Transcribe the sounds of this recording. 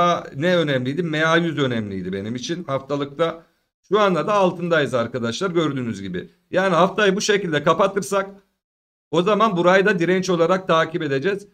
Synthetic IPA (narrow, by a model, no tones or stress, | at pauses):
anɛø̞nɛmlʲijd̪imejajyzø̞nɛmlʲḭjd̪ibe̞nimit͡ʃʰinhaft̪ʰalˠɯk̚t̪a | ʃuanlˠad̪aːlˠt̪ʰɯnd̪ajɯzaɾkad̪aʃlˠaɾɟø̞ɾd̪yːnyzɟibɪ̰ | jaːniɦaft̪ʰajɯbuʃe̞cilʲd̪ɛkʰapat̪ʰɯɾsak | o̞zamanbuɾajd̪ad̪iɾɛnt͡ʃo̞lˠaɾak̚t̪ʰaːcibe̞d̪e̞d͡ʒɛz̥